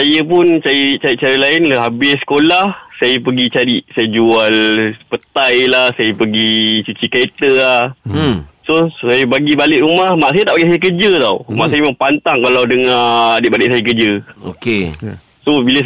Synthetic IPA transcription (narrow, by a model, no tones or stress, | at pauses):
sajəp̬ʊnt͡ʃajət͡ʃaɾiʔt͡ʃaɾilaɪnɦabɪsə̥kolahsajəpəɡit͡ʃaɾiʔsajəd͡ʒualpət̪ajlahsajəpəɡit͡ʃut͡ʃikaet̪əlah | sosajəbaɡibalɪʔɾumahmaʔsajət̪aʔpaɡisajək̬əd͡ʒət̪awma̰ʔsajəməmpant̪aŋkalawdəŋaadɪʔbalɪʔsajək̬əd͡ʒəo̰ke | sobilə